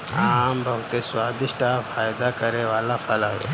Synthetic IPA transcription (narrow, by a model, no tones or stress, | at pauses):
aːmbəɦt̪eːswaːd̪ɪʃʈaːfaːjd̪aːkəɾeːʋaːlaːfʰaːlaːʋḛː